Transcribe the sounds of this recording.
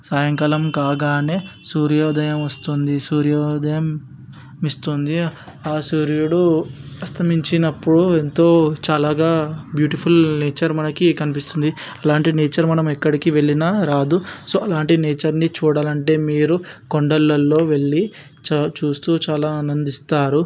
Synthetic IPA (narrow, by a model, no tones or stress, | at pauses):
saːjɐŋkɐlɐmkaːɡaːne̞ːsuːɾjɔːd̪ɐjɐmɐst̪und̪isuːɾjɔːd̪ɐjɐm | ist̪und̪i | aːsuːɾijuɽuɐst̪ɐmiɲt͡ʃinɐpːuɽuent̪o̞ːt͡ʃaːlaːɡaːbjuːʈipʰulneːt͡ʃɐɾmɐnɐkikɐnipist̪und̪iɐlaːɳʈineːt͡ʃɐɾmɐnɐmɛkːɐɽikiʋe̞ɭːinaɾaːd̪uso̞ːɐlaːɳʈineːt͡ʃɐɾnit͡ʃuːɽaːlɐɳʈe̞ːmiːɾukoɳɖɐlːɐlːo̞ːʋe̞ɭːi | t͡ʃat͡ʃuːst̪uːt͡ʃaːlaːnɐnd̪ist̪aːɾu